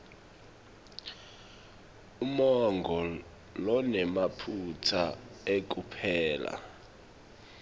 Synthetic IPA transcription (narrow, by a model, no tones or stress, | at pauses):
umɔŋɡʱɔ | lɔnɛmapʰutʰaek̬ʼupʰɛːla̰